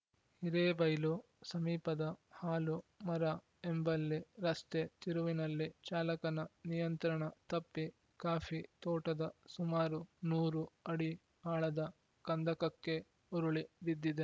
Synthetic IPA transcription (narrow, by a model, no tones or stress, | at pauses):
hiɾeːbɐjlu | sɐmiːpɐd̪ɐhaːlumɐɾɐ | embɐlːiɾɐst̪et̪iɾuʋinɐlːit͡ʃaːlɐkɐnɐnijɐnt̪ɾɐɳɐt̪ɐpːi | kaːfit̪ɔːʈɐd̪ɐsumaːɾunuːɾuɐɽi | aːɭɐd̪ɐ | kɐnd̪ɐkɐkːe̞ | uɾuɭidid̪ːid̪e